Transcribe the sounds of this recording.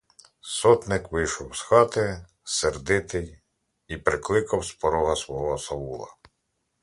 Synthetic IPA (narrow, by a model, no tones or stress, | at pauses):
sɔt̪nɪkʋɪjʃɔwsxɑt̪ɪ | serd̪ɪt̪ɪj | ipɾɪklˠɪkɐwspɔɾɔɦɐsʋɔɦɔsɐwulˠɐ̰